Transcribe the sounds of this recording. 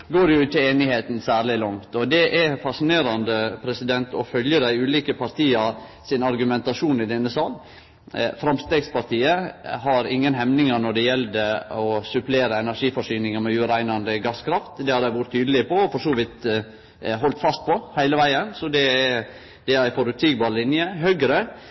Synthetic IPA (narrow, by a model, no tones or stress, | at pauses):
ɡoːɾjʊɪt̪ʰɪeːnɪheːt̪n̩sæːɾɭɪlɔŋt̪ɔd̪ɛʔɛfɑsɪneːɾɑnd̪əpʰɾɛsɪd̪ɛnt̪ʰɔfœljəd̪æɪʉːliːkəpʰɑɾt̪ʰiːɑɾ | sɪnɑɾɡʉmɛnt̪ɑʂuːnɪd̪ɛnːəsɑːl | fɾɑmst̪eːɡspɑɾt̪iːəɦɑɾɪŋːənɦɛmnɪŋɑnɔɖ̪ɛjɛld̪əɔsʉpleːɾəɛnæɾʂiːfɔʂyːnɪŋɑmɛʉːɾæɪnɑnd̪əɡɑskʰɾɑft̪d̪ɛhɑd̪æɪʋʊɾət̪ʰːyːd̪əlɪpɔɔfɔʂuːʋɪt̪ | ɦɔlt̪fɑst̪̚pʰɔhæɪləʋæɪənsɔd̪ɛæ | d̪ɛæɪfɔɾʉt̪siːɡbɑːɾlɪnjəɦøːɡɾə